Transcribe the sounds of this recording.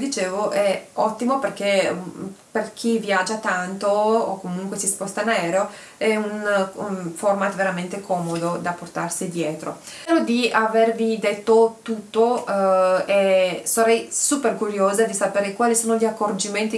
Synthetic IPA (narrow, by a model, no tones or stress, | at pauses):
d̪it͡ʃeːvoʔɛɔt̪ːimoperk̟e | perk̟ʰivjad͡ʒat̪ant̪oːkːomuŋkwesispɔst̪anaɛːɾo | ɛun | fɔrmat̪veɾament̪ekʰɔːmod̪od̪aport̪arsid̪jɛːt̪ɾo̰ | eɾod̪iavervid̪et̪ːot̪ut̪ːo | ɛsaɾɛjsuperkuɾjoːzad̪isapeːɾekwaːlisoːnoʎiakːord͡ʒiment̪i